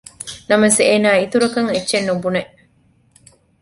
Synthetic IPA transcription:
nɐmɐseːnaːit̪uɾɐkɐŋetːʃenːubuneʔ

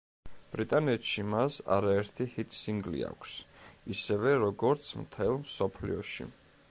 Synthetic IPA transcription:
b̥ɾit̪ʼanɛt̪ʃimasa̰ɾaɛɾt̪ʰihit̪ʰsiŋɡlḭa̰kʰsisɛvɛɾɔɡɔɾt̪sʰmt̪ʰɛlˠmsɔpʰlḭɔʃḭ

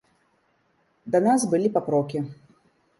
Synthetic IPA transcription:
d̪ɐnasbɨlʲipapɾɔkʲi

